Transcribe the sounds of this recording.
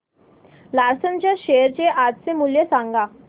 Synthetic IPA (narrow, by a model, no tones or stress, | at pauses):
laɾsənt͡ɕaɕeɾt͡ɕeʔad͡zt͡semuljesãŋɡa